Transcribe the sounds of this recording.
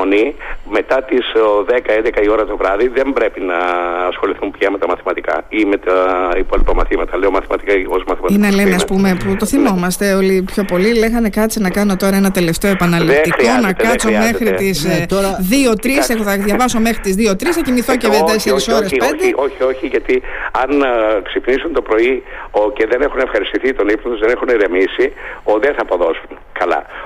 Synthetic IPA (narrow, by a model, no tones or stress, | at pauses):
onime̞t̪ɐt̪izðekɐend̪ekɐio̞ɾɐt̪o̞vɾɐðiðe̞mbɾe̞pinɐːsxo̞liθumpʝɐme̞t̪ɐmɐθimɐt̪ikɐ̰imet̪ɐipo̞lipɐmɐθimɐt̪ɐleomɐθimɐt̪ikɐozmɐθimɐinele̞neɐspume̞put̪o̞θimo̞mɐst̪e̞o̞lipço̞po̞lile̞xɐne̞kɐt͡sinɐkɐno̞t̪o̞ɾɐenɐt̪e̞le̞ft̪eoe̞pɐnɐllit̪ikonɐkɐt͡some̞xɾit̪izt̪oɾɐðio̞t̪ɾisexoθɐðʝɐvɐso̞me̞xɾit̪izðio̞t̪ɾisɐcimiθo̞cevet̪eseɾisoɾespeneʔoçio̞çiʝɐt̪iɐnksipnisunt̪opɾo̞ioceðenexune̞fxɐɾist̪iθit̪o̞nipnot̪uzðene̞xuneɾemisioðeθɐːpo̞ðo̞sun | kɐlɐ̰